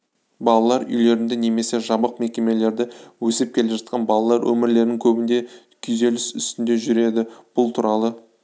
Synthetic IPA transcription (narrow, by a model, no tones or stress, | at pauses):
bɑlˠɑlˠɑɾʏ̰jle̞ɾɪnd̪ɪneme̞se̞ʒɑbəq̚me̞kʲe̞me̞le̞ɾd̪ɪwɵsɪp̚kʲʰe̞leʒɑt̪qʰɑnbɑlˠɑlˠɑɾwʔɵ̰mɪɾle̞ɾnɪŋkʲʰɵbɪnd̪e̞ | kʲʰʏjze̞lɪsʏst̪ɪnd̪e̞ʒʏɾe̞d̪ɪb̥ʊlˠt̪ʰuɾɑlˠə